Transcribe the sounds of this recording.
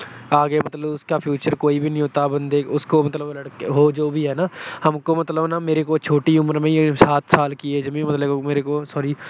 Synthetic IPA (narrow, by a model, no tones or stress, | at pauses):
aːɡemət̪ləbʊskaːpʰjuːt͡ʃəɾkoːibʱiːnəɦĩɦoːt̪abə̃nd̪eːʊskomət̪ləbləɽkɦoːd͡ʒoːbʱiɦɛːnaːhɐmkomət̪ləbnaːmeːɾekoːt͡ʃʰoːʈiʊməɾmẽsaːt̪ʰsaːlkieːd͡ʒəmĩmət̪ləomeːɾekoːsɔːɾiː